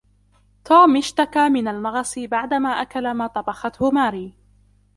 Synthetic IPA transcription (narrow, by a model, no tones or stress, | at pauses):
t̪uːmʔɪʃt̪akaːmɪnalmɑɣɑsˤɨbaʕd̪amaːʔakalamaːt̪ˤɑbɑxɑt̪hʊmaːɾiː